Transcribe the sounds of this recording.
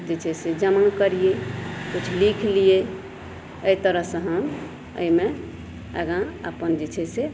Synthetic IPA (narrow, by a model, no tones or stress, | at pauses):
d͡ʒet͡ʃʰɛsed͡ʒəmənkəɾijekut͡ʃʰlikʰlije | əit̪əɾəɦsə̃ɦəm | ə̰ime | ə̰ɡãə̰pənd͡ʒet͡ʃʰɛse